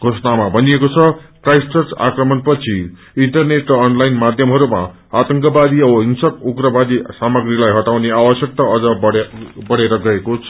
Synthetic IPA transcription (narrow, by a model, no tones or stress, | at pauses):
ɡ̥ʱosʌnamabʱʌnijekot͡sʰʌkrajsʈʌrsa̰krʌmʌnpʌt͡sʰi | iɳʈʌrneʈrʌːnlajnmad̪ʱjʌmɦʌɾuma̰ | at̪ʌŋkʌbad̪iʌbʌɦiŋsʌkuɡɾʌbad̪isamʌɡrilajɦʌʈawneawʌsjʌk̚t̪ʌʌd͡zʌbʌɽbʌɽeɾʌɡʌekot͡sʰ